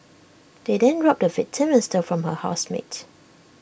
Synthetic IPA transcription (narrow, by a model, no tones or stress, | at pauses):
d̥edɛ̃ndɹɔp̚dəvɪtʰːɛmɛstəfɹɔ̃mhəha̰ʊsmḛt